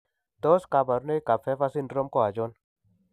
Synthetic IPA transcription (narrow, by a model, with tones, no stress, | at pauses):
d̪oː˦ska˨ba˨ɾune˦ika˨fʰe˦fasinɖɾo˦mkoa˨d͡ʒɔn